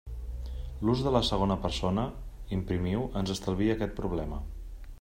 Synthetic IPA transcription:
luzðələsəɣ̞onəpəɾsonəimpɾimiwənzəst̪əlˠβ̞iəːkɛt̪̚pɾuβlɛmə

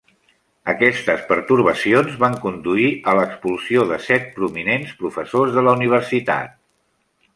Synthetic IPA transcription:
əkɛst̪əspəɾt̪uɾβəsionzβaŋkund̪uiələkspulˠsioðəsɛt̪̚pɾuminenspɾufəsozðələuniβ̞əɾsit̪a̰t̪̚

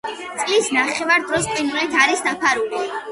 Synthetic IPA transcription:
t̪sʼlisnaχɛvaɾd̪ɾɔspʼinulɛt̪ʰaɾisd̪apʰaɾuli

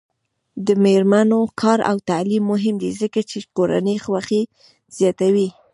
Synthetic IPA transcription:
d̪əmeɾmanokʰɑɾa̰wt̪alimːʊɦɪmd̪ezəkat͡ʃekoɾa̰nəjxwaxe | z̥jɑt̪awi

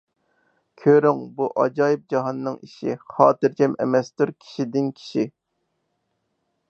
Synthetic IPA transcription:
kʲʰøɾyŋbuʔɑd͡ʒɑːjɪp̚d͡ʒɑɦɑnːɨŋiʃḭχɑːt̪ɨɾd͡ʒɛmɛ̰mɛst̪uɾkʲʰi̥ʃid̪ɪnkʲʰi̥ʃi

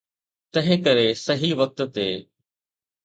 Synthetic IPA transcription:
t̪ɐ̃ɦɪ̃kɐɾesɐɦiʋɐk̚t̪t̪eː

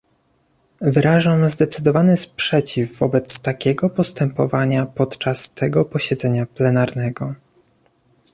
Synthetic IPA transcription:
vɘɾaʐamzd̪ɛt̪sɘd̪ɔvanɘspʂɛt͡ɕivːɔbɛt̪st̪akʲɛɡɔpɔst̪ɛmpɔvaɲapɔt̪t͡ʂast̪ɛɡɔpɔɕɛd̪zɛɲaplɛnaɾnɛɡɔ

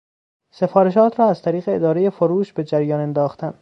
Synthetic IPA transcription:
se̞fɒːɾeʃɒːt̪ʰɾɒːæzt̪ʰæɾiːɣeed̪ɒːɾe̞je̞foɾuːʃbe̞d͡ʒæɾjɒːnend̪ɒːxt̪æn

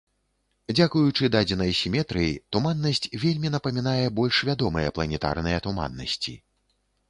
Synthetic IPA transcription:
d͡zʲakujut͡ʂɨd̪ad͡zʲinɐjsʲimʲɛt̪ɾɨjit̪umanːɐsʲt͡sʲvʲelʲmʲinɐpɐmʲinajɛbɔlʲʂvʲad̪ɔmɨjɐplˠɐnʲɛt̪a̰rnɨjɛt̪uma̰nːɐ̰sʲt͡sʲḭ

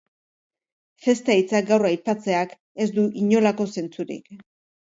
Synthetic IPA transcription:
fe̞st̪ajt͡sak̚ɡawrajpat͡se̞ak | e̞zd̪uʔiɲo̞lako̞se̞nt͡suɾḭk

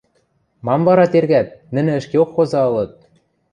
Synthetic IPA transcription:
mɑmvɑɾɑt̪erɣæt̪̚nɘ̆nɘ̆ɘ̆ʃkeokxozɑɤ̆lɤ̆t̪̚

